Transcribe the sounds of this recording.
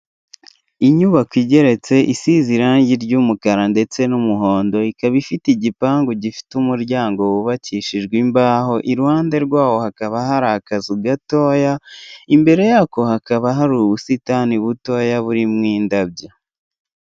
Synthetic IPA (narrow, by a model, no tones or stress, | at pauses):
iɲuβakwiːɟe̞ɾe̞t͡se̞ʔisiziɾaːɲɟiɾɟuːmukaɾande̞t͡se̞numuɦo̞ːndo̞ikaβifitiɟipaːŋɡuɟifi̥tumuɾɟaːŋɡo̞wuβaciʃiʒɡwimbaːho̞ʔiɾuhaːnde̞ɾɡwaːwo̞hakaβaɦaɾakazuɡato̞ːjaimbe̞ɾe̞jaːko̞hakaβaɦaɾuβusitaniβuto̞ːjaβuɾimŋiːndab̚ɟa